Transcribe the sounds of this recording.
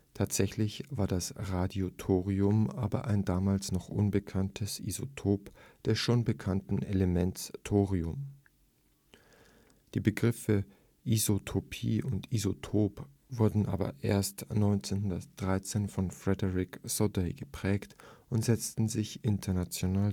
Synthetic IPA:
tʰaːtz̥ɛçlɪçv̥aːɐdasʁaːdiotʰoːʁiʊmʔa̰ːbɐ̰ʔa̰ɪndaːmaːlsnɔχʔʊ̰nbəkʰantʰəsʔḭzo̰tʰoːpd̥ɛsʃoːnbəkʰantn̩ḛləmɛntstʰoːʁiʊm | d̥iːbəɡʁɪfə | ʔizotʰopʰḭːʊntizotʰoːp | vʊɐdn̩ʔa̰ːbɐ̰ʔḛːɐstnɔʏnt͡seːnhɦʊndɐtd̥ʁaɪt͡seːnfɔnfʁ̥ɛdəʁɪksɔdeɡ̥əpʁ̥ɛːktʔʊntz̥ɛt͡stn̩zɪçʔɪntʰɐnat͡sjonaː

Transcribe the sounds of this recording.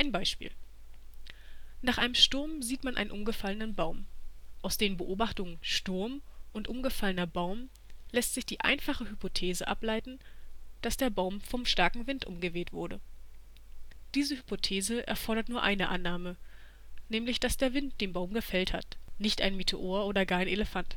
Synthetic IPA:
ʔaɪnbaɪʃpḭːl | naːχʔaɪnəmʃtʊɐmziːtmanʔa̰ɪnʔʊmɡəfalənənbaʊmʔaʊsd̥eːənbəʔoːbaχtʊŋənʃtʊɐmʔʊntʔʊmɡəfalənɐbaʊm | lɛstz̥ɪçd̥iːʔa̰ɪnfaχəhypotʰeːzəʔa̰plaɪtn̩d̥asd̥eːɐbaʊmfɔmʃtaɐkŋ̩vɪntʔʊ̰mɡəveːtv̥ʊ̰ɐɾə̰ | d̥iːzəhypotʰeːzəʔɛ̰ɐfɔɐɾɐtnuːɐʔaɪnəʔanːaːmə | nɛːmlɪçd̥asd̥eːɐvɪnt̚d̥eːmbaʊmɡəfɛltha̰tnɪçtʔa̰ɪnmitʰoʔoːɐʔoːdɐɡaːɐaɪnʔeləfant

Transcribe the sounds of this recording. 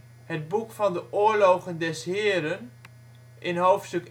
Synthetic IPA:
hət̚bukfɑndəʔʊːɹlowχəndɛsɦɪːɾən | ʔɪnɦowftstɵk

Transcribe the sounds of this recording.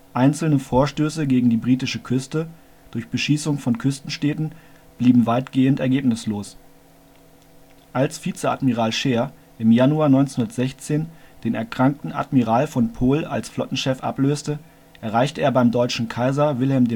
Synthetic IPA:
ʔaɪnt͡sl̩nəfoːɐʃtøːsəɡeːɡŋ̩diːbʁiːtɪʃəkʰʏstə | d̥ʊɐçb̥əʃiːsʊŋfɔnkʰʏstn̩ʃtɛːtn̩ | b̥liːbm̩vaɪtɡ̥eːəntɛɐɡeːpnɪsloːs | ʔalsfiːt͡səa̰tmiʁaːlʃeːɐ | ʔɪmjanuaːnɔʏnt͡senhundɐtz̥ɛçt͡seːnd̥eːnɛ̰ɐkʁ̥aŋk̚tn̩a̰tmiʁaːlfɔnpʰoːla̰lsflɔtn̩ʃɛfʔa̰pløːstə | ʔɛɐʁ̞aɪçtəeːɐbaɪmdɔʏt͡ʃn̩kʰaɪzɐvɪlɦɛlmdeː

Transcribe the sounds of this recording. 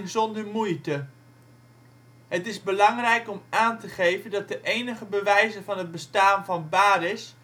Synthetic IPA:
ŋzɔndəɹmujtə | ɦətɪzbəlɑŋrɛjkɔmaːntəχejvəndɑt̚dəʔejnəχəbəʋɛjzəvɑnɦəd̚bəstaːnvɑnbaːɾɪs

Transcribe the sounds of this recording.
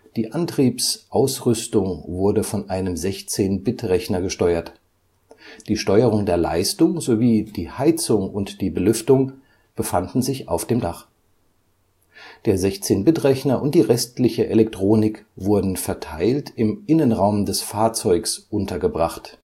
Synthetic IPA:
d̥iːʔantʁ̥iːpsʔaʊsʁʏstʊŋvʊɐdəfɔnʔaɪnəmzɛçt͡seːnbɪtʁɛçnɐɡəʃtɔʏɐt | d̥iːʃtɔʏəʁ̞ʊŋdeːɐla̰ɪstʊŋzoviːd̥iːhaɪt͡sʊŋʊntd̥iːbəlʏftʊŋ | b̥əfandn̩zɪça̰ʊfd̥eːmdaχ | d̥eːɐzɛçt͡seːnbɪtʁ̥ɛçnɐʔʊnt̚d̥iːʁɛstlɪçəʔelɛk̚tʁ̥oːnɪkv̥ʊɐdn̩fɛɐtʰaɪltɪmʔɪnənʁaʊmdɛsfaːɐt͡sɔʏksʔʊntɐɡəbʁaχt

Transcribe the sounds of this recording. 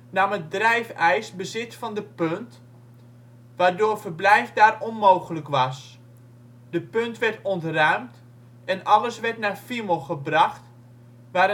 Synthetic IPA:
namət̚drɛjfɛjsbəzɪtfɔndəpønt | ʋaːrdoːrfərblɛjfdaːrɔnmoːɣələkʋɑs | d̥əpøntʋɛrtɔntrœɥmt | ɛnɑləsʋɛrtnarfiməlˠxəbrɑxt | ʋaː

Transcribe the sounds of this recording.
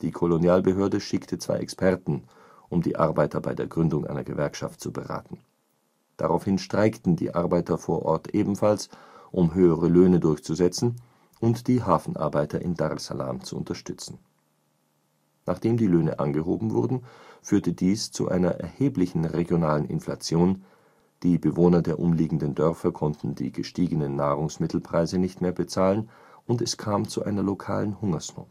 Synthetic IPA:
d̥iːkʰolonjaːlbəɦøːɐdəʃɪktʰət͡sv̥a̰ɪʔɛkspɛʁtn̩ | ʔʊmdḭːʔa̰ɐbaɪtɐba̰ɪdeːɐɡʁʏndʊŋʔa̰ɪnɐɡəvɛɐkʃa̰ftt͡subəʁa̰ːtn̩ | d̥a̰ʁa̰ʊfhɪnʃtʁ̥aɪktn̩dḭːʔaɐbaɪtɐfoːɐʔɔɐtʔeːbm̩fals | ʔʊmɦøːəʁəløːnədʊɐçt͡suzɛt͡sn̩ | ʔʊntd̥iːɦaːfn̩ʔa̰ɐbaɪtɐʔɪndaʁsa̰la̰ːmt͡suʊ̰ntɐʃtʏt͡sn̩ | naːχd̥eːmdiːløːnə̰ʔa̰nɡəɦoːbm̩vʊɐdn̩fyːɐtədiːst͡sṵʔa̰ɪnɐʔɛ̰ɐheːplɪçn̩ʁeɡjonaːlənɪ̰nfla̰t͡sjoːn | d̥iːbəvoːnɐdeːɐʔʊmliːɡŋ̩dəndœʁfɐkʰɔntn̩dḭːɡəʃtiːɡənənːaːʁʊŋsmɪtʰl̩pʁ̥aɪzənɪçtmeːɐbət͡saːlən | ʔʊntɛskʰaːmt͡suʔaɪnɐlokʰa̰ːlənhʊŋɐsno̰ːt

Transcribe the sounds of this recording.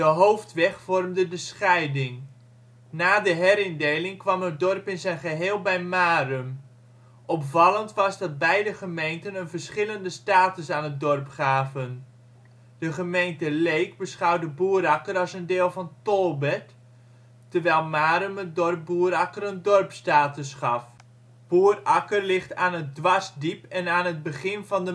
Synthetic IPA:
d̥əɦowftʋɛχfɔrmdədəsχɛjdɪŋ | naːdəɦɛɾɪndejlɪŋkʋɑmət̚dɔrpɪnzɛjnχəɦeːlˠbɛjmaːrəm | ʔɔpfɑləntʋɑzdɑt̚bɛjdəχəmejntənənvərsχɪləndəstaːtəsaːnət̚dɔrpχaːvən | d̥əχəmejntəlejkbəsχɑwdəbuːəɾɑkərɑsəndɪːlˠvɑntolˠbɛtː | ərʋɛjlˠmaːɾəmət̚dɔrp̚buəɾɑkərəndɔrpstaːtəsχɑf | b̥uərɑkərlɪχtaːnət̚dʋɑsdipɛnaːnət̚bəχɪnvɑndə

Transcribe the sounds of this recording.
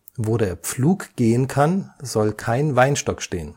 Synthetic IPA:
voːɾeːɐp͡fluːkɡ̥eːənkʰanzɔlkʰaɪnvaɪnʃtɔkʃteːən

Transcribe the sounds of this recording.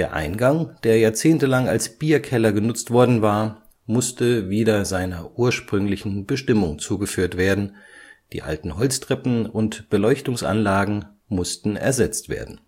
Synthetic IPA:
d̥eːɐʔa̰ɪnɡaŋd̥eːɐjaːɐt͡seːntəlaŋa̰lsb̥iːɐkʰɛlɐɡənʊt͡stv̥ɔɐdn̩vaːɐ | mʊstəviːdɐzaɪnɐʔuːɐʃpʁ̥ʏŋlɪçn̩bəʃtɪmʊŋt͡suːɡəfyːɐtv̥eːɐdn̩d̥ḭːʔa̰ltn̩ɦɔlt͡stʁ̥ɛpm̩ʊntb̥əlɔʏçtʊŋsʔa̰nlaːɡŋ̩ | mʊstn̩ɛ̰ɐzɛt͡stv̥ḛːɐdn̩

